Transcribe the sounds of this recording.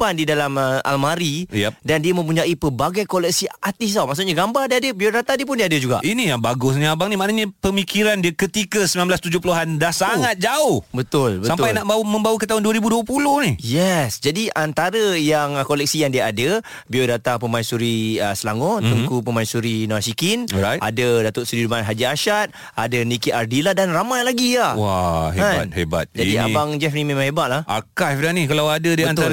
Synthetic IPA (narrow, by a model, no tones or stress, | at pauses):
pandidalaməa̰lmaɾidandiəmə̃mpuɲaʔipəbaɡajkolɛk̚siat̪ɪsawmaks̬uʔ̚ɲaɡambardiadəbiodat̪adiəpʊndiəadəd͡ʒuɡa̰ʔinijaŋbaɡʊs̬nĩabaŋnĩmaʔnaɲəpəmikiɾandiakət̪ikəsəminamblast̪ud͡ʒʊhpəluɦandahsaŋat̪̚d͡ʒaʊhbət̪ʊlbəsampajnaʔbawmə̃mbawəkət̪aɦʊnduəɾibuduəpulʊhnijɛsd͡ʒadiʔant̪aɾəjaŋkolɛk̚sijaŋdiaadə | biodat̪apəmainsuɾiəsəlaŋot̪əŋkupəmaisuɾinoasikinɔajadədat̪oʔsuɾidumanɦad͡ʒiaʃat̪̚ | adənikit̪ardilahdanramajlaɡiahwaɦeaat̚heba̰t̪̚d͡ʒadia̰baŋd͡ʒɛfnimemaŋhɦebaʔ̪̚lahʔa̰kafdanĩkalawadədiana